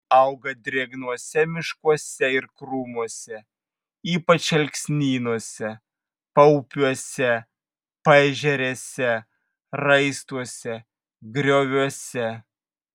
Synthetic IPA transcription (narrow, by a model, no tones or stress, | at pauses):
ɐʊɡɐd̪ʲɾʲeːɡnuɔsʲɛmʲɪʃkuɔsʲɛɪɾkɾuːmuɔsʲɛ | iːpɐt͡ʃɐlʲksʲnʲiːnuɔsʲɛ | pɐʊpʲuɔsʲɛ | pɐʒʲɛɾʲeːsʲɛ | ɾɐɪst̪uɔsʲɛ | ɡɾʲoːʋʲuɔsʲɛ